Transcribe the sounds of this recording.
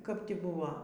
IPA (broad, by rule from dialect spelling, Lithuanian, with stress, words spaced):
kɐp ˈtʲɪ ˈbʊʋɐ